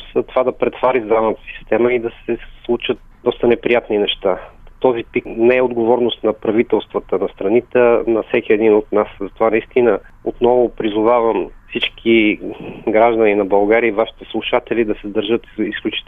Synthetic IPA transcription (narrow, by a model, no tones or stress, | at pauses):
sɐt̪ovad̪ɐpɾɛt̪vaɾizanət̪ə̥si̥st̪ɛməid̪ɐsɛslˠut͡ʃət̪̚ | d̪ɔst̪ənɛpɾijat̪ninɛʃt̪at̪ɔzipiknɛɛod̪ɡovɔɾnʊst̪nɐpɾɐvit̪ɛlˠst̪vət̪ənɐst̪ɾɐnit̪ənɐfsɛkʲiɛd̪inot̪naszɐt̪ovanɐist̪inə | ot̪nɔvʊpɾizʊvavəmfsit͡ʃkʰi | ɡɾaʒd̪əninɐbɐlˠɡaɾiəivaʃi̥t̪ɛslˠuʃat̪ɛlid̪ɐsɛzd̪əɾʒɤt̪isklʲut͡ʃi̥